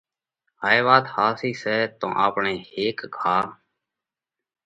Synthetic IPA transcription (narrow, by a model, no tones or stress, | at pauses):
haːeːʋaːt̪haːsiːsɛːt̪õ̰ːʔaːpɳeːeːkɡʱaː